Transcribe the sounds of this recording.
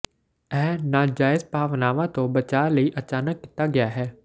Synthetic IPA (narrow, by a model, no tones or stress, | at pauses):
ɛ̃ːnaːd͡ʒaːɪzpaːʋnaːʋãt̪õbət͡ʃaːləiʔət͡ʃaːnəkːɪ̥t̪aɡɪjaːɦɛː